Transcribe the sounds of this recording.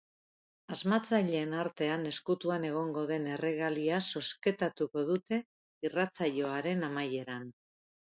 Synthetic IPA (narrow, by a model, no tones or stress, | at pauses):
azmat͡saʎeːnaɾt̪e̞ane̞skut̪uane̞ɣ̞o̞ŋɡo̞ð̞e̞ne̞re̞ɣaliaso̞ske̞t̪at̪uko̞ðut̪e̞ | irat͡saʎo̞aɾe̞namaje̞ɾan